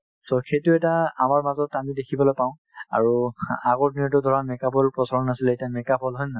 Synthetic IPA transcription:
sɔxejtʊɛtaamaɹmazɔtamidekʰibɔlojpãʊ̃ | a̰ɹuaɡɔɹniɔt̬ʊdʱɔɹamɛkabɔlpɹɔsaɹɔnasiletiamɛkabɔlɦɔjna

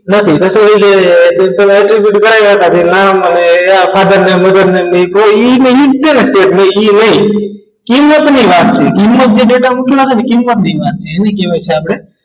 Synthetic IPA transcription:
nət̪ʰit̪əseɾəikeb̪əlɛʈɾibjuʈkəɾajʋat̪ad͡ʒ̪elaməneafʰad̪əɾneməd̪əɾnenəɦĩpoinəikd̪enesʈeʈnəiinəɦĩ | kimːət̪niʋat̪̚t͡ʃʰekimːət̪̚d͡ʒeɖeʈamukʰjasenekimːət̪niʋat̪̚t͡ʃʰeːnĩkeʋajt͡ʃʰeapɽe

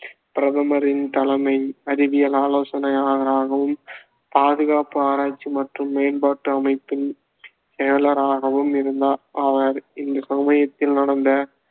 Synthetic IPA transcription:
pɪɾɐðɐmɐɾɪnt̪ɐlɐmɐɪɐɾɪbɪjɐlaːloːsɐnɐjaːɣɐɾaːɣɐʋɯm | paːðɯɣaːpɯaːɾaːt͡ʃːimɐʈrɯmːeːnbaːʈːɯɐmɐɪpːɪn | sɛjɐlɐɾaːɣɐʋɯmɪɾɯnd̪aːʔɐʋɐɾɪnd̪ɐkɐmɐjɐt̪ːɪlnɐɽɐnd̪ɐ

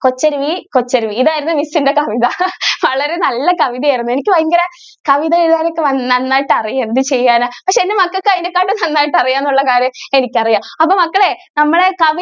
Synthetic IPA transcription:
ko̞t͡ɕːɐɾuʋikot͡ɕːɐɾuʋiːðaːjiɾunːɨmisːinde̞kɐʋiðɐʋɐɭɐɾe̞nɐlːɐkɐʋiðɐjɐjirɐnːue̞nikʲːɨʋɐjɐŋɡɐɾɐ | kɐʋiðɐeɾuðaːnokːɨʋɐnːɐnːaːjiʈːɨɐrijend̪ɨt͡ɕe̞jːaːnɐpɐkʂeːndemɐkːɐɭkːɨɐjinekːaːʈːɨnɐnːaːjiʈːɐrijaːnːuɭːɐkaːɾjɐme̞nikʲːɐrijaːmɐpːoːmɐkːɐɭenɐmːɐɭe̞kɐʋi

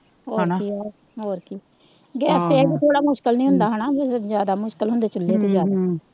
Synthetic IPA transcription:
ɦoːiːaː | ɦoːɾkiː | ɡɛːseːɛːɡeːt̪ʰoːɽaːmʊʃkəlnĩːɦʊ̃nd̪aːɦənaːd͡ʒaːd̪aːmʊʃkəlɦʊ̃nd̪eːt͡ʃʊlːeːt̪eːd͡ʒaːd̪aː

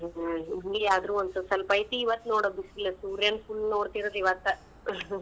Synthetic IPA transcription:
iɡeaːd̪ɾuːont̪sosɐlɐpɐjt̪iːʋɐt̪ːnoːɽoːd̪isilːɐsuːɾjɐnpʰulnoːɽt̪iɾod̪iʋɐt̪ːɐ

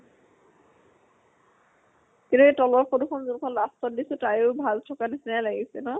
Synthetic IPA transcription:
kintuetɔlɔɹpoduxʰɔnzunkʰɔnlastɔdisutajoʊbʱaztʰɔkanisinajlaɡisɛnɔ

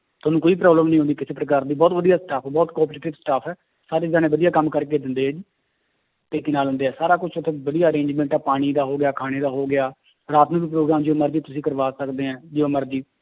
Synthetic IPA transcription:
t̪ʊːnũːkoːiːpɾaːbləmnəĩɦʊ̃nd̪iːkɪseːpɾəkaːɾd̪iːbɔːt̪ʋəd̪ijaːsʈaːpʰːbɔːt̪kɔːpɾeːʈɪʋsʈaːpʰɛː | saːɾeːd͡ʒaːnẽːbəd̪ijaːkəmːkəɾkeːd̪ɪnd̪eːɦɛːd͡ʒiː | t̪eːkenaːlɦʊ̃nd̪eːɦɛːsaːɾaːkʊt͡ʃʰt̪ʰːẽːbəd̪ijaːəɾẽːɲd͡ʒmɛ̃ːɳʈaːpaːɽ̃iːd̪aːɦoːɡɪjaːkʰaːɽ̃eːd̪aːɦoːɡɪaː | ɾaːt̪nũːbiːpɾoːɡɾaːmd͡ʒoːməɾd̪iːt̪ʊsĩːkəɾʋaːsəkd̪eːɦɛ̃ːd͡ʒɪoːməɾd̪iː

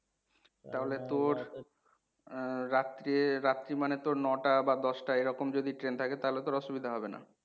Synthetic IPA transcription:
t̪aɦolet̪oɾ | at̪ːɾiɾat̪ːɾimanet̪oɾnɔʈabad̪ɔʃʈaeɾɔkomd͡ʑod̪iʈɾent̪ʰaket̪aɦolet̪oɾɔʃubid̪ʱaɦɔbena̰

